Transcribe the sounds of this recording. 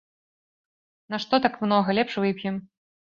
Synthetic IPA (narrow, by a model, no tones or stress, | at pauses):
naʂt̪ɔt̪akmnɔɣɐlʲɛpʂvɨpʲjɛm